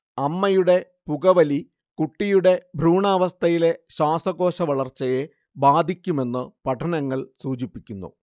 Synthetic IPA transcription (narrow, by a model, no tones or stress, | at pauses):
ɐmːɐjuɽe̞ | puɣɐʋɐli | kuʈːijuɽe̞bʱɾuːɳaːʋɐst̪ʰɐjile̞ɕaːsɐɣo̞ːɕɐʋɐɭɐrt͡ɕːɐje̞ | baːd̪ʱikʲːume̞nːɨpɐʈʰɐnɐŋːɐɭsuːd͡ʑipːikʲːunːṵ